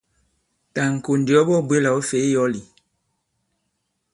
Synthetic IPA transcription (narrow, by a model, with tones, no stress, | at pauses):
ta˨ŋ̩˨ko˨ndi˨ɔ˦bɔ˦bwe˦la˨o˦fe˨˦jɔ˦li˨